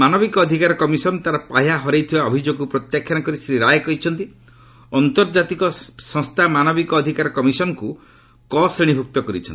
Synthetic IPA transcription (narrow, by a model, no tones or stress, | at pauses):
manɔbikɔːd̪ʱikaɾɔkɔmisɔnt̪aɾɔpaɦjaɦɔɾejt̪ʰibaɔbʱid͡ʒoɡupɾɔt̪jakʰːjanakɔɾisɾiɾajkɔɦit͡ʃʰɔnt̪i | ɔnt̪ɔɾd͡ʒat̪ikɔsɔ̃ŋst̪ʰamanɔbikɔːd̪ʱikaɾɔkɔmisɔnɔku | kɔsɾiɽ̃ibʱuk̚t̪ɔkɔɾḭt͡ʃʰɔnt̪i